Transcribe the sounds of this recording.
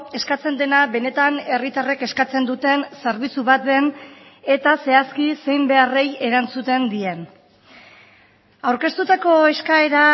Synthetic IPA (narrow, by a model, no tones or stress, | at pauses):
e̞skat͡se̞nd̪e̞naβe̞ne̞t̪ane̞rit̪areke̞skat͡se̞nd̪ut̪e̞nsaɾβit͡suβat̪̚βe̞ne̞t̪ase̞askise̞jmbe̞are̞je̞ɾant͡sut̪e̞nd̪ie̞n | awɾke̞st̪ut̪ako̞e̞skae̞ɾa